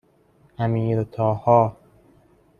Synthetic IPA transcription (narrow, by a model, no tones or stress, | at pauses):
ʔæmiːɾot̪ʰɒːhɒː